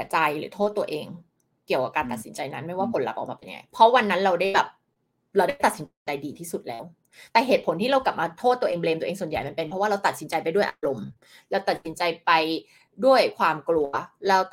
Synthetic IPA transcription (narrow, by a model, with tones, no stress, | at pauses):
t͡ɕa˧jɾɯ̰ː˩˦t̪ʰoː˥˩t̪ːu˧ɐʔeː˧ŋ | ki˨˩əka˨˩p̚kaː˧nt̪a˨˩t̪̚si˩˦nt͡ɕa˧jna˦˥nma˥˩jwaː˥˩kʰo˧nla̰˧˩wʔa̰˨˩wmaː˧˩pe˧ja̰˧ŋa̰˧˩jpʰɾɔ˦˥wa˧nːa˦˥nɾa˧wda˥˩jbɛː˨˩p̚ | ɾa˧wda˥˩jt̪a˨˩t̪si˩˦n˧t͡ɕa˧jdiː˧t̪ʰiː˥˩su˨˩t̪̚lɛ̰ː˦˥w | t̪ɛː˨˩ɦeː˨˩t̪̚pʰo˩˦nt̪ʰiː˥˩ɾa˧wkla˨˩p̚maː˧t̪ʰoː˥˩t̪ːu˧ɐʔeː˧ŋbleː˧m˧ʔːŋsu˨˩ənja˨˩jma˧˩npe˧npʰɾɔ˦˥waː˥˩ɾa˧wt̪a˨˩t̪̚si˩˦nt͡ɕa˧jpa˧jdu˥˩əjʔa˧ɾo˧m | lɛː˦˥wt̪a˨˩t̪̚si˩˦nt͡ɕa˧jpa˧j | du˥˩əjkʰwaː˧mklu˧ɐlɛː˦˥w